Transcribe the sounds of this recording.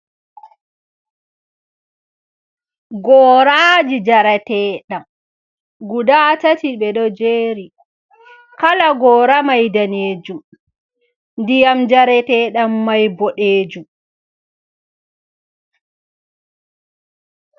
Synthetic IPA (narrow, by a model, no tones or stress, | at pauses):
ɡɔːɾaːd͡ʒid͡ʒaɾatɛːɗam | ɡudatatiɓɛɗɔd͡ʒeːɾi | kalaɡɔːɾamajdaneːd͡ʒum | ndijamd͡ʒaɾɛtɛːɗamːajbɔɗeːd͡ʒum